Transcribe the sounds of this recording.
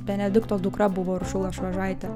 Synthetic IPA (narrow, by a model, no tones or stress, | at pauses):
pʲɛnʲɛd̪ʲɪkt̪oːd̪ʊkɾɐbʊʋoːɾʃʊlˠɐʃʋɐʒɑɪt̪ʲɛ